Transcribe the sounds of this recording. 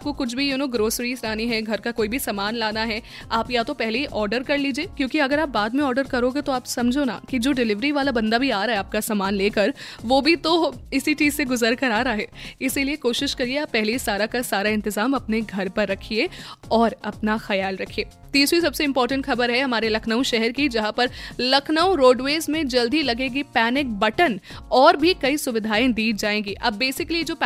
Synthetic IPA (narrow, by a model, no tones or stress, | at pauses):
ap̚kokʊt͡ʃʰbʱijuːnoːɡɾoːsɾiːzɾaːniɦɛ̃ɡʱɐɾkakoːibʱisɐːmaːnlaːnaɦɛ | aːpjat̪opɛɦleiʔɔːɾɖəɾkɐɾliːd͡ʒieːkjõːkiɐɡəɾaːp̚baːd̪mẽɔːɾɖəɾkɐɾoːɡet̪oaːpsɐ̃md͡ʒʱona̰kid͡ʒoːɖɪlɪʋɾiʋaːlabɐ̃nd̪abʱiaːɾaːɦɛaːp̚kasaːmaːnleːkəɾʋoːbʱit̪oɪsiʈiːzseɡʊzəɾkɐɾaːɾaaːɦɛːɪsiliekoːʃɪʃkɐɾieaːpːɛɦlisaːɾakasaːɾaɪ̃nt̪ɪzaːmɐpneɡʱɐɾpɐɾːɐkʰieɔːɾɐpnaxɐjaːlɾɐkʰieː | t̪iːsɾisɐbseɪ̃mpɔːɾʈə̃ɳʈxɐbəɾɦɛɦɐmaːɾelɐkʰnəũʃɛɦɛɾkid͡ʒɐɦãpɐɾlɐkʰnəũɾoːɖʋeːzmẽd͡ʒɐld̪ʱilɐɡẽːɡipɛːnɪk̚bɐʈənɔːɾbʱikɐisʊʋɪd̪ʱaːẽd̪iːd͡ʒaːẽːɡiʔɐbːeːsɪkəlied͡ʒoːp